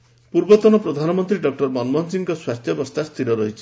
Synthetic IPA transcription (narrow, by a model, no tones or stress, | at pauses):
puɾbɔt̪ɔnɔpɾɔd̪ʱanɔmɔnt̪ɾiɖɔk̚ʈɔɾmɔnmɔnsiŋkɔswatʰjʌbɔst̪ʰast̪ʰiɾɔɾʌɦit͡ʃʰi